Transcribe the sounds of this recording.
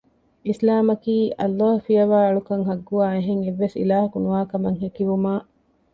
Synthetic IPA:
islaːmɐkiːʔɐlːaːhufijɐʋaːɐɭukɐŋɦɐɡːuaːeɦeŋeʋːesḭlaːɦɐkunuʋaːkɐmɐŋɦekiʋumaː

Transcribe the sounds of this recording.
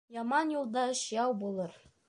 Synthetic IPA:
jɑmɑnjulˠd̪ɑɤʃjɑwbulˠɤɾ

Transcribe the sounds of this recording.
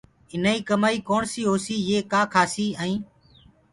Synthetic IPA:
ɪnaːiːkəmaːiːkoːɳsiːɦoːsiːjeːkaːkʰaːsiːaːĩː

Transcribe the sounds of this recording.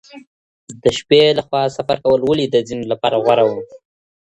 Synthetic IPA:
d̪əʃpelaxwɑsafaɾkawəlwəlid̪əzinolapɑɾaɣwaɾawə

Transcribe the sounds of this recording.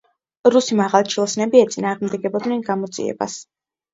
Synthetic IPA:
ɾusimaʁalˠt͡ʃʰilˠsnɛbiɛt̪sʼinaːʁmd̪ɛɡɛbɔd̪nɛnɡamɔd̪zʼḭɛ̰ba̰s

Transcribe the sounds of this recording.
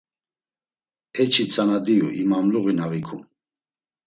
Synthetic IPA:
ɛt͡ʃʰit͡sʰanad̪iṵʔimamluɣinavikʰṵ

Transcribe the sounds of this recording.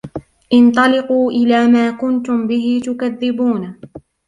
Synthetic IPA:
ʔɪnt̪ˤɑlɪquːʔɪlaːmaːkʊnt̪ʊmbɪɦɪt̪ʊkaðːɪbuːn

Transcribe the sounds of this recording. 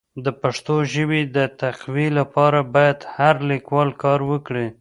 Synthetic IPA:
d̪əpaʂt̪oʒəwid̪ət̪aqwilapɑɾabɑjad̪haɾlikwɑlkɑɾwəkɽi

